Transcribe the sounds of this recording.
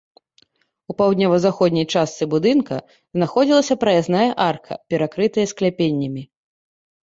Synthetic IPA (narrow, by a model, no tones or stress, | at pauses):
upawd̪ʲnʲɔvɐzaxɔd̪ʲnʲɐjt͡ʂast̪sɨbud̪ɨnkɐ | znaxɔd͡zʲilˠɐsʲɐpɾɐjaznajɐʔarkʰɐ̰pʲɛɾakɾɨt̪ɐjɐsklʲapʲenʲːɐmʲi